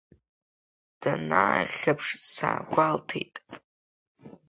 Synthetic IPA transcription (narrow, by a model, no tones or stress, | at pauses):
d̥anaχʲapʰʂsa̰ːɡʷaltʰejtʼ